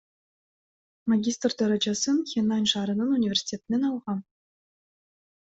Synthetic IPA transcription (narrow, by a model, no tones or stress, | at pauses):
mɑɡʲist̪rd̪ɑɾɑd͡ʑɑsɯnxʲenɑnʲʂɑɾɤ̆nɤ̆nunʲivʲersʲi̥tʲet̪mʲenʲɑlˠʁɑ